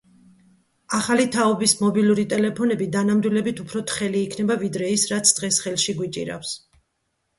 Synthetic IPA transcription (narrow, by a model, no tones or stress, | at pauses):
aχalit̪ʰaɔbismɔbiluɾit̪ʼɛlɛpʰɔnɛbid̪anamd̪wilɛbit̪ʰupʰɾɔt̪ʰχɛliːkʰnɛbavid̪ɾɛisɾat̪sʰd̪̥ʁɛsχɛlˠʃiɡwit͡ʃʼḭɾa̰fs